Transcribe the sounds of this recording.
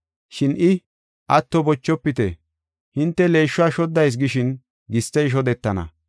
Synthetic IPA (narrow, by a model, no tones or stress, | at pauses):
ʃɪnʔɪ | ʔɐt̪ːɔbɔt͡ʃːɔpːɪt̪ɛ̰ | hɪnt̪ːɛle̞ːʃːʊaʃɔd̪ːɐjs̬ɡɪʃɪn | ɡɪst̪ːɛjʃ̬ɔd̪ɛt̪ːɐnɐ̰